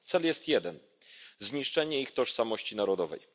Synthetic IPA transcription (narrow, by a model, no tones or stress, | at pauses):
t̪sɛljɛst̪jɛd̪ɛn | zɲiʂt͡ʂɛɲɛixt̪ɔʂsamɔɕt͡ɕinaɾɔd̪ɔvɛ̰j